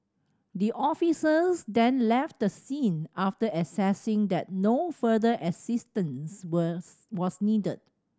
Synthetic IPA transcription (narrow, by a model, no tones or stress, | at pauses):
d̪iʔɔfisəsdɛ̃nlɛft̚dəsĩnaftəʔəsɛsɪ̃ŋd̪ɛt̚nofədəʔəsɪstə̃ns | wɔsnidəd̚